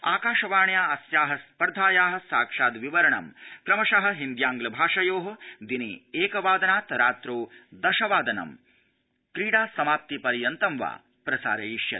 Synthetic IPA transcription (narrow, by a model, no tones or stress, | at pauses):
a̰ːkaːʃɐʋaːɳjaːɐsjaːɦɐspɐɾd̪ʱaːjaːɦɐ̆saːkʂaːd̪ʋiʋɐɾɐɳɐ̰mkɾɐmɐʂɐɦɐ̆ɦind̪jaːŋɡlɐbʱaːʂɐjoːɦɐ̆d̪inieːkɐʋaːd̪ɐnaːt̪ɐɾaːt̪ɾoːd̪ɐʃɐʋaːd̪ɐnɐ̰m | kɾiːɽaːsɐmaːp̚t̪ipɐɾijɐnt̪ɐmʋa̰ː | pɾɐsa̰ːɾeiʂjɐ̰t̪